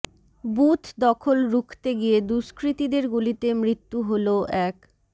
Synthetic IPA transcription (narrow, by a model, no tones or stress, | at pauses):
but̪ʰd̪ɔkʰolɾukʰt̪eɡijed̪uʃkɾit̪id̪eɾɡulit̪emɾit̪ːuɦoloʔɛk